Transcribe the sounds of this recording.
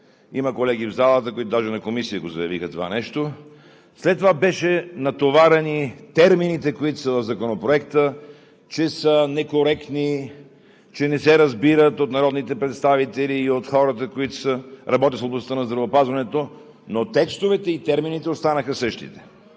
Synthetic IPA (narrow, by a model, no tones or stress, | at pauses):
iməkolɛɡ̟ivzalˠət̪əkoit̪od̪aʒɛnɐkomisiəɡozɐjɐvixət̪ova̰nɛʃt̪o | slɛt̪ːovabɛʃɛnɐt̪ovaɾɛnit̪ɛɾminit̪ɛkoit̪o̥səvɐvzɐkonopɾoɛkt̪ə | t͡ʃɛsənɛkoɾɛkt̪ni | t͡ʃɛnɛsɛɾɐzbiɾət̪ot̪nɐɾɔd̪nit̪ɛpɾɛt̪st̪avit̪ɛliːot̪xɔɾət̪̬əkoit̪o̥səɾɐbɔt̪ʲisoblˠɐst̪ənɐzd̪ɾɐvoːpazvɐnɛt̪o | not̪ɛkst̪ovɛt̪ɛit̪ɛɾminit̪ɛost̪anəxəsəʃt̪ḭt̪ɛ̥